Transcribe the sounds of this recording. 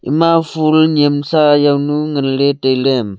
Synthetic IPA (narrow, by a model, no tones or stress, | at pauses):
ḭmafulɲemsajawnuŋənletejlem